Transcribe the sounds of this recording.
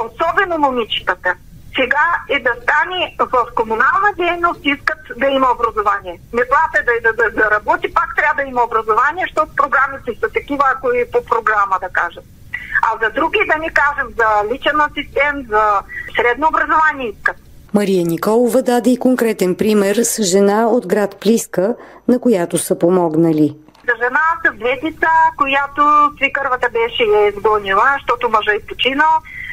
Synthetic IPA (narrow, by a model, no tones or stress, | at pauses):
osɔbɛnononʲit͡ʃi̥t̪ət̪ə | sɛɡaɛd̪ɐst̪anɛvɐfkomunalˠnɐd̪ɛjnost̪iskət̪d̪ɐimɐobɾɐzovaniɛmɛslˠat̪ɛd̪ɐd̪ɐd̪ɐd̪ɐɾɐbɔt̪ipakt̪ɾʲavəd̪ɐimɐobɾɐzovaniɛʃt̪ɔt̪pɾoɡɾamit̪ɛsɐt̪ɐkivəkoipopɾoɡɾaməd̪ɐka̰ʒət̪̚ | ɐzɐd̪ɾuɡʲid̪ɐnʲikaʒɛmzɐlit͡ʃɛnɐsist̪ɛnt̪zɐsɾɛd̪noːbɾɐzovanʲiiskət̪ | mɐɾijənikɔlˠovɐd̪ad̪ɛikoŋkɾɛt̪ɛnpɾimɛɾsʒɛnaod̪ɡɾat̪pliskə | nɐkojat̪osəpomɔɡnəli | zɐʒɛnasɐd̪vɛt̪it̪sakojat̪osvikəɾvət̪ɐbɛʃɛjaizɡɔnilˠəʃt̪ɔt̪ʊmɐʒəipot͡ʃinəlˠ